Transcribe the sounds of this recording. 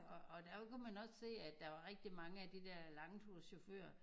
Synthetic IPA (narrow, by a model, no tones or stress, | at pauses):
ɒɒ̽d̥æfɒ̽kumænɒ̽sse̝̰ːæ̥ɑ̈ʋɑ̈ʁeɡ̥̚d̥imɑ̈ŋəæd̥id̥ɛɐlɑ̈ŋt͡sʰusɕo̝fø̰ːɐ